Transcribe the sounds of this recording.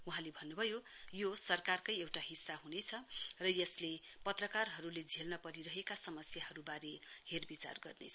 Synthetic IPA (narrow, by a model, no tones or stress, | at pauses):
uɦãlebʱʌnːubʱʌjo | josʌrkarkʌjewʈaɦisːaɦunet͡sʰʌrʌjʌslepʌt̪rʌkarɦʌɾuled͡zʱelnʌpʌɾiɾʌɦekasʌmʌsjaɦʌɾubaɾeherbit͡sa̰rɡʌrnḛt͡sʰʌ